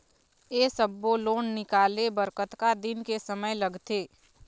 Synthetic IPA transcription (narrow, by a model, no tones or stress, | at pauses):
eːsəbːoloːnnɪkaːlebəɾkət̪kad̪ɪnkesəməjləɡt̪eː